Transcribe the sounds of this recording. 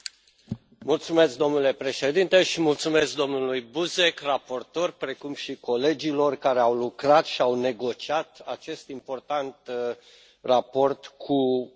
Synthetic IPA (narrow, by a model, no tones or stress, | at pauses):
mult̪sume̞sk̚d̪o̞mnule̞pɾe̞ʃe̞d̪int̪e̞ʃimult̪sume̞sk̚d̪o̞mnulujbuze̞krapo̞rt̪o̞rʲpɾe̞kumʃiko̞le̞d͡ʒilo̞rkaɾeawlukɾat̪ʃiawne̞ɡo̞t͡ʃiat̪at͡ʃe̞st̪impo̞rt̪ant̪ | rapo̞rt̪kʰu